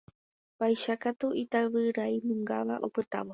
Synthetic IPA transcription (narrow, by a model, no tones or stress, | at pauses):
bajʃakat̪uit̪aʋɨɾaimɨ̃ŋɡaʋaʔopɨt̪a̰ʋo